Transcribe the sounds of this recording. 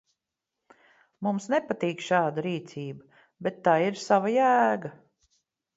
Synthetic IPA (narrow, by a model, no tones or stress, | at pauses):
mumsnɛpat̪iːkʃɑːd̪aɾiːt̪siːba | bɛt̪ːaːiɾsavajæːɡa